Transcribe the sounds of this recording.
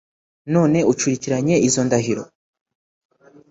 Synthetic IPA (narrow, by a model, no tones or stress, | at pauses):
no̞ːne̞ut͡ʃuɾiciɾaɲe̞ʔizo̞ndaɦiɾo̰